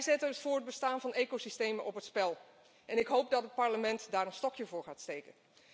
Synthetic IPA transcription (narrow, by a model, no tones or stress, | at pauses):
jzɛtənətfʊːɹəd̚bəstaːnvɑnejkosistejmənʔɔpɦətspɛlˠ | ʔɛnɪkɦowp̚dɑtət̚pɑɹləmɛntdaːɹənstɔkjəvʊːɹχaːtstejkən